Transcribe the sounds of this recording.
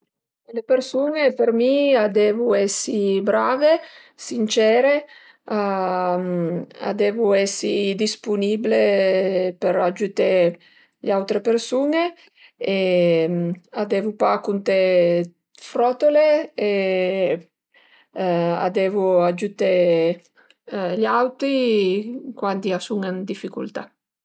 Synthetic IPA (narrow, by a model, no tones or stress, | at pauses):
lepeɾsuːnepeɾmiad̪ɛːvuɛsːibɾaːve | sint͡ʃɛːɾe | a | a̰d̪ɛːvuɛsid̪ispunible | peɾad͡ʒut̪e | ʎawt̪ɾepeɾsuːne | e | ad̪ɛvupakunt̪e | fɾɔt̪olee | a̰d̪ɛːvuad͡ʒut̪e | ʎawt̪ɾi | kwand̪iasuŋand̪ifːikṵlt̪a